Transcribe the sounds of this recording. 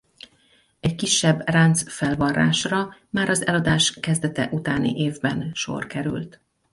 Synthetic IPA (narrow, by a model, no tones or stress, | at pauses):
ɛɟkiʃːɛbːrant̪sfɛlvɒrːa̰ːʃrɒmaːɾɒzɛlɒd̪aːʃkɛzd̪ɛt̪ɛʔut̪aːnḭʔeːvbɛnʃo̰rkɛɾy̰lt̪